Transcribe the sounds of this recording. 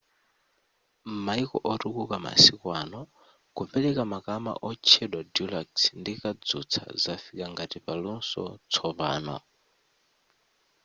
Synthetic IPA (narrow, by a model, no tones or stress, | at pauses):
maikɔ̰ʔɔtukukama̰sikwanɔ | kupɛlɛkamakama̰ʔɔt͡ʃʰɛɗwadulaksndikad͡zut͡sʰa̰zafikaŋɡatipalunsɔ̰t͡sʰɔpa̰ːna̰